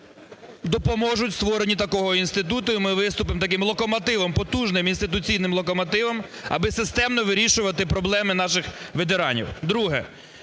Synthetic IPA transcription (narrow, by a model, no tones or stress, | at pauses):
d̪ɔpɔmɔʒʊtʲst̪ʋɔɾenʲit̪ɐkɔɦɔinst̪ɪt̪ut̪ʊjmɪʋɪst̪ʊpɪmt̪ɐkɪmlˠɔkɔmɔt̪ɪʋɔmpɔt̪uʒnɪminst̪ɪt̪ʊt͡sʲijnɪmlˠɔkɔmɔt̪ɪʋɐm | ɐ̰bɪsɪst̪ɛmnɔʋɪɾʲiʃʊʋɐt̪ɪpɾɔblˠɛmɪnɑʃɪxʋet̪eɾɑnʲḭwd̪ɾuɦɛ̰